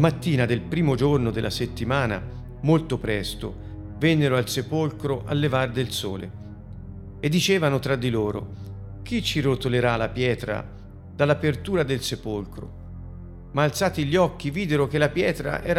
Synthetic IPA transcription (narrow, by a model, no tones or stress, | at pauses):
lamat̪ːiːnad̪elpɾiːmod͡ʒornod̪elːʔaset̪ːimaːna̰ | molt̪opɾɛst̪o̰ | vɛnːeɾoalsepolkɾoʔalːevard̪elsɔ̰ːlḛ | ed̪ːit͡ʃɛːvanot̪ɾad̪ːiloːɾo̰ | k̟it͡ʃːiɾot̪oleɾalapjɛːt̪ɾa̰ | d̪̥alːapert̪uːɾad̪elsepolkɾo̰ | maːlt̪saːt̪iʎːiɔkːiviːd̪eɾok̟elapjɛːt̪ɾa̰ʔɛːɾa